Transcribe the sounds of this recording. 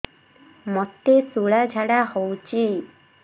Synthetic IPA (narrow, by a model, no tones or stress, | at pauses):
mot̪esuɭad͡ʒʱaɽahowt͡ʃʰi